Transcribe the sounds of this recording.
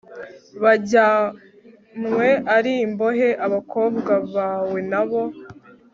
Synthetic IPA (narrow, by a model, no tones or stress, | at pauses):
βaɟa | mŋwe̞ʔaɾiːmbo̞ɦe̞ʔaβakʰo̞ːbɡaβaːwe̞naβo̞